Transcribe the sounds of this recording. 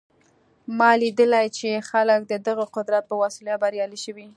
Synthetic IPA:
mɑlid̪əlajt͡ʃexalək̚d̪əd̪əɣəqʊd̪ɾat̪̚pəwasiljat̪̚baɾjɑliʃəwi

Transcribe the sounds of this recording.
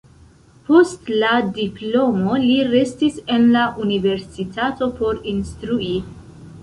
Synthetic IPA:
po̞stladiplo̞mo̞liɾe̞stise̞nlaʔunive̞ɾsitʰato̞po̞ɾinstɾuʔi

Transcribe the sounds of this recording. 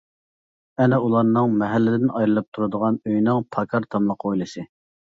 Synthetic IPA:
ɛnɛulˠɑɾnɨŋmɛɦælːɪd̪ɪnʔɑjɾɨlˠɑp̚t̪ʰuɾɨd̪əʁɑnøjnɨŋpʰɑkʰɑɾt̪ʰɑmlˠəqʰojlˠɨsɨ

